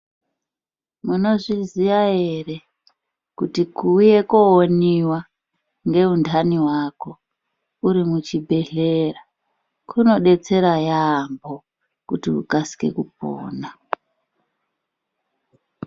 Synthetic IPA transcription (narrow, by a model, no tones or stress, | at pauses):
muno̞ʐiziʋaje̞re̞ | kutikuje̞koːniwa | ŋɡe̞undaniɦwako̞ | uɾimut͡ʃibʱe̞ɮe̞ra | kʰuno̞ɗe̞t͡se̞ɾajaːmbo̞ | kutiṵkasi̥ke̞̰kup̚o̰ːna